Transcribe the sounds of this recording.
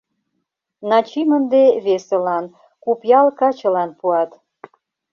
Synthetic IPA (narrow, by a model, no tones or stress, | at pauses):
nɑt͡ɕimənd̪eβeselɑn | kupjɑlkɑt͡ɕə̆lɑnpuɑt̪